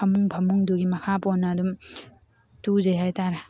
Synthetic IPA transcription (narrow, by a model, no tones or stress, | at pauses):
ɐmuŋbʱɐmuŋduɡimɐkʰapɔnːadum | tuzejɦajtaɾɐ